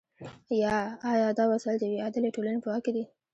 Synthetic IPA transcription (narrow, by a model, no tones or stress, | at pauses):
jɑːjɑd̪ɑwasald̪əweɑd̪əleʈolanepəwɑked̪i